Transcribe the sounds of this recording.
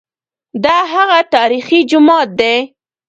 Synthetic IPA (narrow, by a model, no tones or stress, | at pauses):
d̪ɑɦaɣat̪ɑɾixid͡ʒʊmɑt̪̚d̪e